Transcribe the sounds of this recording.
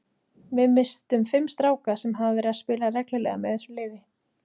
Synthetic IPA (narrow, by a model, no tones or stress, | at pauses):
vɪðmɪst̪ʏmfɪmst̪ɾaːwkasɛmɦavðɪɾaðspɪːlarɛklɪlɛ̰ɣamɛðɛsɔlɪːvɪ